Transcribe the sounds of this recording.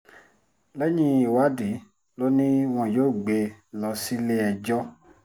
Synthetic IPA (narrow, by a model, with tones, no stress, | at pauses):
lɛ˦ɲĩ˧i˨wa˨˦di˨˦ | lo˦nĩ˦w̃ɔ̃˧˨joː˦˨ɡ͡be˨˧lɔ˧˦si˦le˦ɛ˧d͡ʒɔ˦